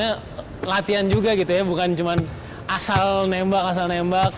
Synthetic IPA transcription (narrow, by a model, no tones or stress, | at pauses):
a | lat̪iand͡ʒuɡaɡit̪ujabukant͡ʃuman | asalnembakas̬alnembak̚